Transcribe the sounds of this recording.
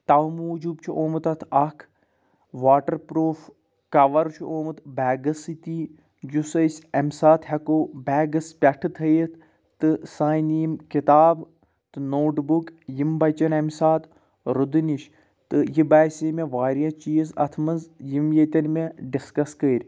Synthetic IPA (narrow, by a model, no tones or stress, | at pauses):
t̪ɐʋmuːd͡ʒubt͡ʃʰuʔoːmɨt̪ɐt̪ʰɐkʰ | ʋaːʈɐɾpɾoːf | kɐʋɐɾt͡ʃʰuʔoːmɨt̪bɛːɡɐsɨt̪i | jusɐsʲɐmsaːt̪hɐkoːbɛːɡɐspʲɐʈʰɨt̪ʰɐjt̪ʰ | t̪ɨsaːjniːmkit̪aːb | t̪ɨnoːʈbukjimbɐt͡ʃɐnɐmʲsaːt̪ | ɾud̪ɨniʃ | t̪ɨjibaːsʲeːmeʋaːɾijaːt͡ʃiːzɐ̰t̪ʰmɐnzjimjet̪ʲɐnmeɖiskɐskəːɾʲ